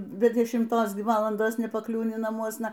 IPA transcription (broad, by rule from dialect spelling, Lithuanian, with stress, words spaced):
bʲɛ dʲɛʃʲɪmˈtoːs ˈɡʲɪ ˈʋɑːlˠɐndoːs nʲɛpɐˈklʲuːnʲɪ nɐˈmuɔsnɐ